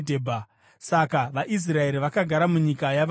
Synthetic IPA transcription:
dʱebʱa | sakaʋaʔis̬rae̞ɾiʋakaɡʱaɾamuɲikajaʋ

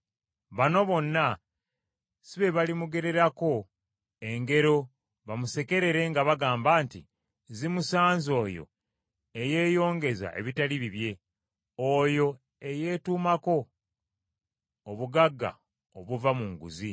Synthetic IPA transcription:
βano̞βo̞nːa | siβe̞βalimuɡe̞ɾe̞ɾako̞ | e̞ŋɡe̞ɾo̞ | βamuse̞ke̞ɾe̞ɾe̞ŋɡaβaɡaːmbaːntḭ | zimusaːnzo̞ːjo̞̰ | e̞je̞ːjo̞ːŋɡe̞za̰ʔḛβitaliβiβje̞ | ojo̞ | e̞je̞ːtuːmako̞ | βuɡaɡːa̰ | oβuvamuŋɡṵzi

